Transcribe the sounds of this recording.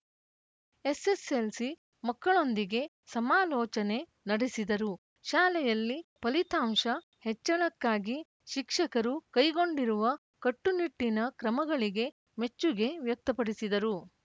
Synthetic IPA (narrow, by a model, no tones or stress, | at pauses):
eseselsi | mɐkːɐɭo̞nd̪iɡe̞ | sɐmaːlɔːt͡ʃɐne̞ | nɐɽisid̪ɐɾu | ʃaːlɛjɐlːipɐlit̪aːmʂɐ | hɛt͡ʃːɐnɐkːaːɡi | ʃikʂɐkɐɾukɐjɡo̞ɳɖiɾuʋɐ | kɐʈːuniʈːinɐkɾɐmɐɡɐɭiɡe̞ | me̞t͡ʃːuɡe̞ʋjɐk̚t̪ɐpɐɽisid̪ɐɾu